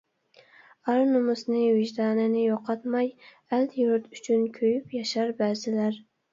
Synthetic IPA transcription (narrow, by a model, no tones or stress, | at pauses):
ɑɾnʊmʊsnɪwɪʒd̪ɑːnɪnɪjoqʰɑt̪mɑj | æld̪juɾt̪yt͡ʃʰynkʲʰøjypjɑʃɑɾbæːzɪlæɾ